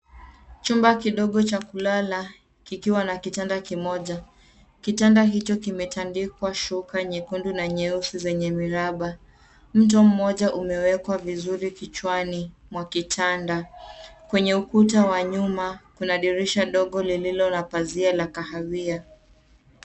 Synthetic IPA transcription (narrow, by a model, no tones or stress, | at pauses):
t͡ʃumbakiɗɔɠɔt͡ʃakulala | kikiwanakitandakimɔʄa | kitandaɦit͡ʃɔkimɛtandikwaʃukaɲɛkundunaɲɛusizɛɲɛmiɾaɓa | m̩t̬ɔm̩mɔʄaʔumɛwɛkwavizuɾikit͡ʃwani | mwakitʰandakwɛɲɛukutawaɲumakunaɗiɾiʃaɗɔɠɔlililɔnapazialakahavia